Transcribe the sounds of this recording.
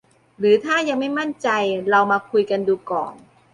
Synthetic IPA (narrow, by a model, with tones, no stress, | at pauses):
ɾɯː˩˦t̪ʰaː˥˩ja˧ŋma˥˩jma˥˩nt͡ɕa˧jɾa˧wmaː˧kʰu˧jka˧nduː˧kɔ̰ː˨˩ŋ